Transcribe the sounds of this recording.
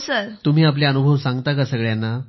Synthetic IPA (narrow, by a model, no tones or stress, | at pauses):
səɾt̪um̤iːap̬ljaənubʱəʋsãŋɡt̪akəsəɡɭjanːa